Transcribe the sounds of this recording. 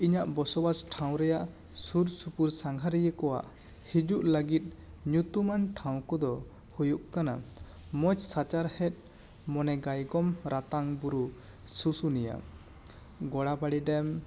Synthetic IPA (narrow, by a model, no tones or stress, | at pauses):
iɲaʔbɔsɔbasʈʰaw̃ɾɛjaʔ | suɾsupuɾsaŋɡʱaɾɛjəkɔwa̰ʔ | hid͡ʒuʔləɡit̪̚ˀ | ɲut̪umanʈʰaw̃kɔd̪ɔ | hujuʔkana | mɔt͡ʃsat͡ʃaɾhɛt̪̚ˀ | mɔnɛɡajɡɔmɾat̪aŋbuɾu | susunija̰ | ɡɔɽabaɽiɖɛm